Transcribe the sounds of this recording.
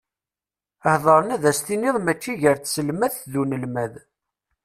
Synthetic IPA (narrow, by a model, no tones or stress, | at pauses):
əhðˤəɾˤənæðæst̪iniɪðˤmæt͡ʃːiʝəɾθsəlmæθðunəlmæð